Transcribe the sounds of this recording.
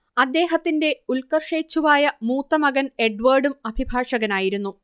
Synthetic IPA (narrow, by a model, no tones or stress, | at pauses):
ɐd̪ːe̞ːɦɐt̪ːinde̞ulkɐrʂeːt͡ɕːuʋaːjɐmuːt̪ːɐmɐɡɐne̞ɖʋɐːɖumɐbʱibʱaːʂɐɣɐnaːjiɾunːu